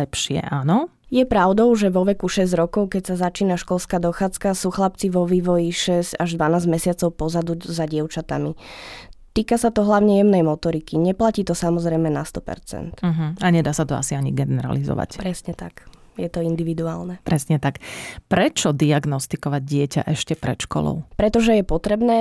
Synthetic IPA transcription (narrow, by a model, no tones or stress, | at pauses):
ɛpʃɪɛ̰ʔaːnɔ | jɛpɾaʊd̪ɔʊʒɛʋɔʋɛkuʃɛzɟɾɔkɔʊkɛcsazat͡ʃiːnaʃkɔlskaːd̪ɔxaːt͡skasuːxlap̚t͡siʋɔʋiːʋɔjiʃɛzcaʒd̪ʋanaːzmɛsɪat͡sɔʊpɔzad̪uzaɟɪɛʊt͡ʃat̪ami | t̪iːkasat̪ɔɦlaʊɲɛjɛmnɛjmɔt̪ɔɾikiɲɛplaciːt̪ɔsamɔzɾɛjmɛnast̪ɔpɛ̰ɾt͡sɛ̰nt̪m̩ɦ̩aɲɛd̪aːsat̪ɔa̰siaɲiɡɛnɛɾa̰lizɔ̰ʋa̰cpɾɛsɲɛt̪akjɛt̪ɔind̪iʋid̪uaːlnɛpɾɛsɲɛt̪akpɾɛt͡ʃɔd̪iaɡnɔst̪ikɔʋaɟ̚ɟɪɛca̰ʔɛʃcɛpɾɛt̪ʃkɔ̰lɔ̰ʊpɾɛt̪ɔʒɛjɛpɔt̪ɾɛbnɛː